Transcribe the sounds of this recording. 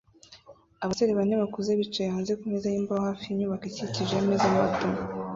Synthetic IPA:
aβateɾeβaneβakuzeβit͡ʃejaːnzekumezajiːmbaahaːfiiɲuːβakiciciʒemezama̰to

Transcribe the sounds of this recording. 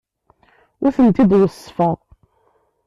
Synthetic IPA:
ʊθənt̪id̪wəsːfəʁ

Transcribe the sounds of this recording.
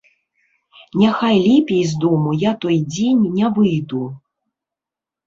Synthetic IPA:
nʲaxajlʲɛpʲijzd̪ɔmujat̪ɔjd͡zʲenʲːavɨjd̪u

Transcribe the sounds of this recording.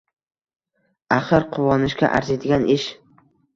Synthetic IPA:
aχɨɾqʰʊwɒnɪʃkʲa̰ʔa̰ɾzed̪ɪɡʲanɪʃ

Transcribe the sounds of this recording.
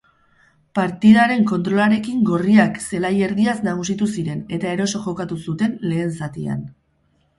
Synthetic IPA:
paɾt̪iðaɾe̞ŋko̞nt̪ɾo̞laɾe̞kiŋɡo̞riakse̞laje̞ɾðiasnaɣ̞us̬it̪usiɾe̞ne̞t̪ae̞ɾo̞so̞ʝo̞kat̪usut̪e̞nle̞ːnsat̪ia̰n

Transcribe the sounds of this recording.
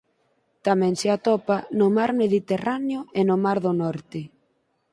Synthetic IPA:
t̪amɛ̃ŋseat̪ɔpanomaɾmeðit̪eraneoenomaɾðonɔɾt̪ɪ

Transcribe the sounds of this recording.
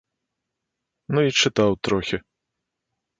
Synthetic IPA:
nuit͡ʂɨt̪awt̪ɾɔxʲi

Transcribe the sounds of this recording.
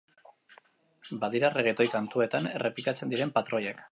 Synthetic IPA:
baðiɾareɣ̞et̪o̞jkant̪ue̞t̪ane̞re̞plikat͡send̪iɾe̞mpat̪ɾo̞ʎek

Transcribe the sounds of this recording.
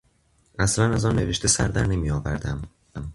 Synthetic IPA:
æslænæzɒːnːe̞̰veʃt̪ʰesæ̰ɾd̪æ̰ɾne̞mijɒːvæɾd̪æm

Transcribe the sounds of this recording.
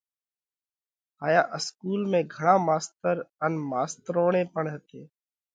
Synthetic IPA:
ɦaːjaːʔəskuːlmẽːɡʱəɳaːmaːst̪əɾənmaːst̪əɾoːɳẽːpəɳɦət̪eː

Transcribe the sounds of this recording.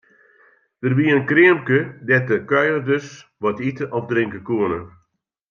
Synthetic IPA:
d̥ərbiəənkrɪəmkədɛtəkœjərdəsʋɔtitəʔɔfdrɪŋkəkuənə

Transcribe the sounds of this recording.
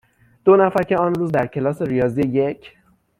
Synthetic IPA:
d̪̥o̞næfæɾcʰʲe̞ɒːnɾuːzd̪æɾcʰe̞lɒːse̞ɾijɒːzieje̞cʰ

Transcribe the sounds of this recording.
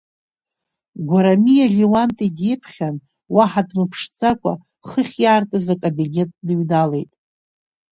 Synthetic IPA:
ɡʷaɾamijalʲiwantʼidepʰχʲan | waħadmɨpʰʂt͡sʼakʷʼa̰ | χəχʲjaːrtʼazakʼabinʲetʼdɨɥdale̞jtʼ

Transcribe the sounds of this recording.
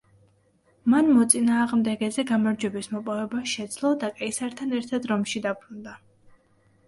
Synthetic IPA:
manmɔt̪sʼinaːʁmd̪ɛɡɛzɛɡamaɾd͡ʒwɛbismɔpʼɔvɛbaʃɛd̪zlˠɔd̪akʼɛisaɾt̪ʰanɛɾt̪ʰad̪ɾɔmʃid̪apʰɾund̪a

